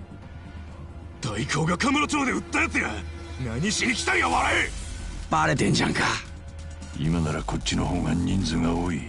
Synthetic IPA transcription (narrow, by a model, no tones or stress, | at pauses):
t̪oikʰoːɡakamɯ̟ɾot͡ɕoːd̪eɯt̪ːajat͡sɨjanaɲiɕinʲikʲt̪ãjjaβaɾaib̥aɾet̪ẽ̞ɲd͡ʑã̰ŋka | imanaɾakʰo̞tt͡ɕʲt͡ɕːino̞hõŋɡãɲːĩnd͡zɨŋɡaoːi